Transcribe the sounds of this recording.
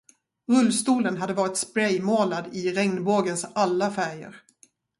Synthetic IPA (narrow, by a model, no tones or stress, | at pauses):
ɾɵlːst̪uːlənɦad̪ːəvɑːɾɪt̪spɾɛjmoːlad̪ɪɾɛŋnboːɡənsalːafæɾjə̰ɾ